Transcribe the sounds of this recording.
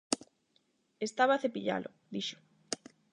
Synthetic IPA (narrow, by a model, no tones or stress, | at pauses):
est̪aβaːθepiʎa̰lʔʊ̰ | d̪iʃʊ̥